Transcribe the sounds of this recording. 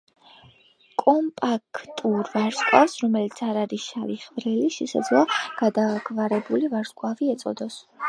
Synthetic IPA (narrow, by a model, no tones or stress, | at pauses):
kʼɔmpʼakʰt̪ʼuɾvaɾskʼwafsɾɔmɛlit̪sʰaɾaɾiʃaliχvɾɛliʃɛsa̰d̪zlˠɔɡ̥ad̪aɡvaɾɛbulivaɾskʼwaviɛt̪sʼɔ̰d̪ɔs